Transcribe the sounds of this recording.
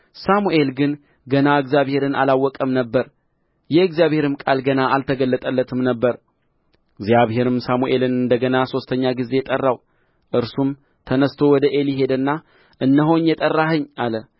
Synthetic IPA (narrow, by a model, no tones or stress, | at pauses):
samuʔe̞lɡɨn | ɡənaɨɡzjaβhe̞ɾɨnʔa̰lawːɔkʼəmnəbːəɾ | jɛɨɡzjaβhe̞ɾɨmkʼalɡənaalt̪ʰəɡəlːət̪ʼəlːət̪ʰɨmnəbːəɾ | ɨɡzjaβhe̞ɾɨmsamuʔe̞lɨnɨnd̪əɡənaso̞st̪ʰəɲːaɡizejɛt̪ʼərːaw | ʔɨɾsum | t̪ʰənəst̪ʰo̞wɔd̪əʔeliɦe̞d̪ɨnːa | ʔɨnːəɦo̞ɲjɛt̪ʼərːahɨɲːʔalə